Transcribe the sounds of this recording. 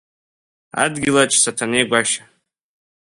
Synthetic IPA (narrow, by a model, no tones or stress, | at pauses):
a̰dɡʲɪlat͡ʃʰsatʰanejɡʷaʃḁ